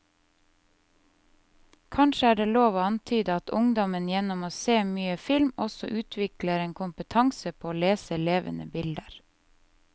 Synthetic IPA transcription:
kʰɑnʃəæːɖeːloːʋoːɑnt̪ʰyːd̪əɑt̪ʰʊŋd̪ɔmənjɛnɔmoːseːmyːəfɪlmɔsɔʔʉːt̪ʰʋɪkləɾeːnkʰʊmpət̪ʰɑŋsəpʰoːoːleːsəleːʋə̰nə̰bɪld̪əɾ

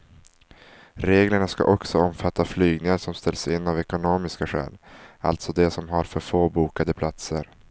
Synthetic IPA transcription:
ɾeːɡləɳaska̰ʔɔksɔɔmfat̪ːaflyːɡnɪŋaɾʂɔmst̪ɛlsɪnːavɛkʊnoːmɪskaɧɛ̰ːla̰lt̪sɔd̪ɛsɔmɦaɾfœɾfoːbuːkad̪əpʰlat̪səɾ

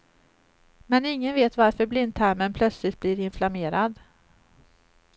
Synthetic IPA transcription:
mɛnɪŋːənveːt̪vaɾfœɾblɪnd̪̚t̪ʰæɾmənpʰlœt̪slɪt̪̚bliɾɪnflameːɾad̪

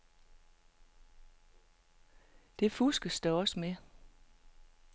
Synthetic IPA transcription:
d̥e̝fusɡ̥əsd̥æɒ̽səme

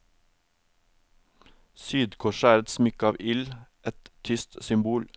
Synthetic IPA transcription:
syːd̪kʰɔːʃæːɾət̪smʏkɑːʋʔɪlʔɛt̪t̪ʰʏst̪sʏmbuːl

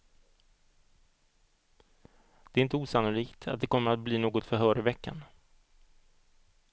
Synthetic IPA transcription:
d̪̥ɛːɾɪnt̪əuːsanʊliːkt̪ʰat̪̚d̪ɛkʰɔmːəɾat̪̚bliːnoːɡɔt̪fœɾɦœːɾɪvɛkːa̰n

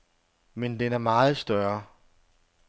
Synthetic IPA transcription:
mend̥enæɐmɑːð̞̩ˠsd̥ɶɐ

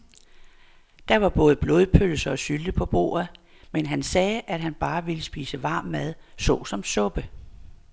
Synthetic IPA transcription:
d̥ɑ̈ʋɑ̈b̥ɔ̽ːð̞ˠəb̥lo̝ːðˠpʰøləsɐ̽ːsyld̥əpʰɒ̽b̥o̝̰ːɐð̩ˠ | menɦænsɛːʔæd̥ɦænb̥ɑ̈ːʋe̝ləsb̥iːsəʋɑ̈ːmːæð̞ˠsɔ̽ːsɒ̽msɔ̽b̥ə

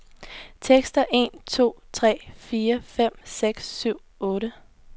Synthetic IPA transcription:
t͡sʰeɡ̥sd̥ɐʔe̝̰ːnt͡sʰo̝̰ːt͡sʰʁɛ̰ːfiːɐfem̰seɡ̥sːyʊ̰ | ɔ̽ːɾə

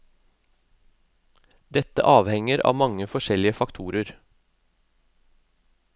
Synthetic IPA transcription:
d̪ɛt̪ə̰ʔɑːʋhɛŋəɾʔɑ̰ːmɑŋəfɔʃɛlɪəfɑkt̪ʰuːɾəɾ

